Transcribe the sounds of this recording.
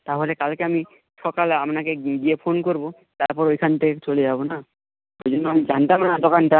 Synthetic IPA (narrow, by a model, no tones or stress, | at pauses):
t̪aɦolekalkeami | ʃɔkalapnakeɡiepʰonkoɾbo | t̪aɾpɔɾojkʰant̪ʰeket͡ɕoleabona | oojd͡ʑonːɔamid͡ʑant̪amnad̪ɔkanʈa